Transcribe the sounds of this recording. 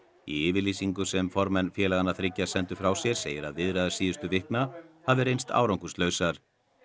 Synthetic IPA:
iɪːvɪɾliːsiŋkʏsɛmfɔɾmɛnːfjɛːlaɣanaθɾɪcːasɛnt̪ʏfɾawsjɛɾ̥sḛːjɪɾa̰ðvɪðɾaðasiːðʏst̪ʏvɪhknahavðɪɾejnst̪ʰa̰ːwɾowŋkʏst̪lœːɥsaɾ̥

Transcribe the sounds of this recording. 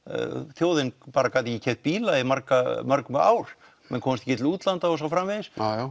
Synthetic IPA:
θjoːwðɪnpaːɾakaːt̪ɪcɛcʰɛht̪̚piːlaimaɾkamœɾkʏma̰ːwɾ̥ | mɛ̰nkʰɔːmst̪ɛcɪt̪ʰlɪluːt̪lant̪aɔs̬awfɾamvɪðɪsaju

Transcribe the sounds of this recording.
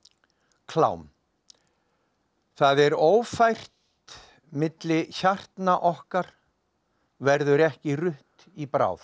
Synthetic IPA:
kʰla̰ːwm | θaðɛɾoːwfajr̥t̪ | mɪt̪lɪçar̥t̪naʔɔhkaɾ̥ | vɛɾðʏɾɛhcɪrʏht̪ | ipɾa̰ːwθ

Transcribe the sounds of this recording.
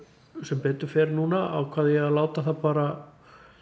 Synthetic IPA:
sɛmpɛːt̪ʏɾ̥fɛːɾnuːnaa̰wkʰvaːðjɛɣalaːwt̪aθapaːɾa

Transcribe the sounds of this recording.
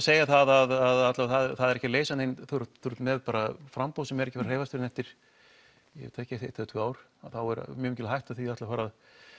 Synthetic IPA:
seːjaθaðaðaðat̪lavaθaðθaðɛɾɛhcɪleːjsanejnθuɾ̥t̪θuɾ̥t̪mɛðpaːɾafɾampowsɛmɛɾɛcɪfaɾreːjvast̪ʏɾɪnɛft̪ɪɾ̥ | jɛ̰ɪ̰t̪ʰɛːcejt̪ḛjt̪ʰʏʏt̪ʰvʏːaːwɾ̥aθawɛɾmjʏːmiːcɪlhajht̪aðθiat̪lafaːɾað

